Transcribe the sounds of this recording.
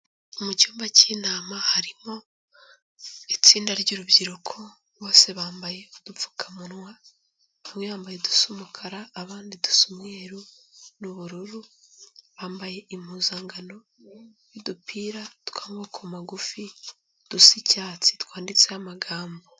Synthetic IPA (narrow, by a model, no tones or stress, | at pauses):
umucuːmbaciːnaːmahaɾimo̞ | it͡siːndaɾɟuɾubɟiɾukʰo̞ | βo̞ːse̞βaːmbaje̞d̥ufu̥kʰamunwa | amwehaːmbaje̞du̥sumukʰaɾaːβaːndidu̥sumɲeɾunuβuɾuɾuβaːmbaje̞ʔim̥huːzaːŋɡano̞ | jidupʰiːɾatkaːŋɡoːkʰomaɡufi | d̥usicaːt͡si̥t̪waːndit͡sehamaɡaːmbo